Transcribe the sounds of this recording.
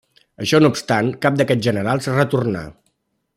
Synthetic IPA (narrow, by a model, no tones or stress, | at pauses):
əʃɔnupst̪aŋkap̚d̪əkɛt̪ʒənəɾalˠsərət̪urna̰